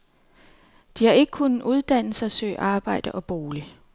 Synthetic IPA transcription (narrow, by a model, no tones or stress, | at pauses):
d̥ihɑ̈e̝ɡ̥ə̥kʰunʔuð̞ˠd̥æn̰l̩sɐsø̰ːʔɑ̈ːb̥ɑ̈ɪ̰d̥əʔɒ̽b̥o̝ːli